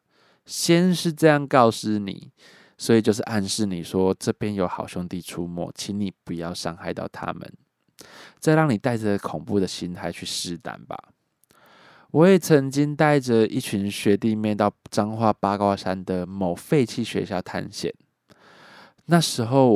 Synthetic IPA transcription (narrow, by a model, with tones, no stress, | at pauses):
ɕjɛ˦nʂɻ̩˥˧ʈ͡ʂɤ˥˧jɑ˥˧ŋkɑ˥˧ʊs̩˥˩nḭ˨˩˦ | swɔ˧˥i˨˩t͡ɕjo˥˧ʊʂ̬ɻ̩˥˨ʔa˥˧nʂɻ̩˥˩ni˨˩ʂwɔ˦˥ʈ͡ʂɤ˥˧pjɛ˦njo˧ʊxɑ˨˩ʊɕjo˥˧ŋt̪i˥˨˩ʈ͡ʂʰu˦mwɔ̰˥˩t͡ɕʰi˧˥ni˨˩pu˨˦jɑ˥˩ʊʂɑ˥ŋxa˥˧ɪt̪ɑ̰˥˩ʊt̪ʰa̰˦mə̰˨n | t͡sa˥˧ɪɾɑ˥˩ŋni˨˩t̪a˥˩ɪʈ͡ʂə˨kʰo˨˩ŋpu˥˨d̪ə˨ɕi˧˥nt̪ʰa˧˥ɪt͡ɕʰy˥˧ʂɻ̩˥˧t̪a̰˨˩nba̰˨˩ | wɔ˨˦jɛ˨˩t͡sʰə˧˦ŋt͡ɕi˦ŋt̪a˥˩ɪʈ͡ʂə˨ḭ˥˩t͡ɕʰyi˧˦nɕɥɛ˧˥t̪i˥˧mjɛ˥˧nt̪ɑ˥˧ʊʈ͡ʂɑ˥ŋxwa˥˩pa˥kwa˥ʂa˦nd̪ə˨mo˨˩ʊfe˥˧ɪt͡ɕʰi˥ɕɥɛ̰˧ɕjɑ˥˧ʊt̪ʰa̰˥˧nɕjɛ̰˨˩n | na˥˩ʂɻ̩˧˥xo˥˩ʊ